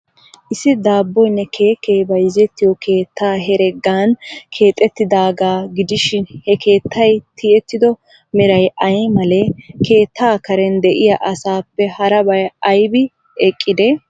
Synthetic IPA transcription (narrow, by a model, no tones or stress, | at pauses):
ʔɪsɪd̪aːbːɔjnːɛkʰe̞ːkːɛjbɐjzɛt̪ːɪjɔke̞ːt̪ːaːɦɛɾɛɡːaːnkʰe̞ːt̪ʼːɛt̪ːɪd̪aːɡaːɡɪd̪ɪʃɪnhɛkʰe̞ːt̪ʰːɐjt̪ʰɪɛt̪ːɪd̪ɔ | mɪɾɐjʔɐjmɐlɛkʰe̞ːt̪ːaːkɐɾɛnd̪ɛʔɪjɐʔɐsaːpːɛhɐɾɐbɐjɐjbɪ | ɛkʼːɪd̪ɛ